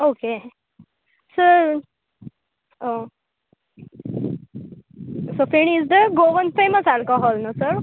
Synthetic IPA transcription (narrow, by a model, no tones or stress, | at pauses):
oke | sə | o | sofiɳ̃izd̪əɡoʋənfeməsalkɔɦɔlnosəɾ